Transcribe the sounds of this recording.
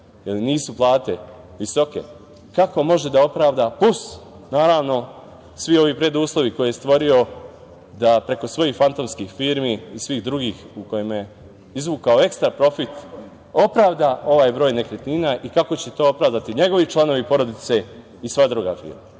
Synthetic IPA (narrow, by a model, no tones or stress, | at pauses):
jeliniːsuplˠaːt̪e̞ | ʋiso̞ke̞̰ | kako̞mo̞ʒe̞d̪ao̞pɾaːʋd̪aplus | naːɾaːʋno̞ | sʋio̞ʋipɾe̞d̪uːslˠo̞ʋiko̞jijst̪ʋo̞ɾio̞ | d̪apɾe̞ko̞sʋo̞jixfant̪o̞mskixfiːɾmiːsʋiːɣd̪ɾuɡiːxuko̞jemje | izʋuːkaoe̞kst̪ɾapɾo̞fit̪ | o̞pɾaːʋd̪ao̞ʋaːjbɾo̞ːjne̞kɾet̪niːnaʔikako̞t͡ɕe̞t̪o̞ːopɾaːʋd̪at̪iɲe̞ɡo̞ʋit͡ʃlˠano̞ʋipo̞ɾo̞d̪it̪se̞ | isʋad̪ɾuɡa̰fḭːɾma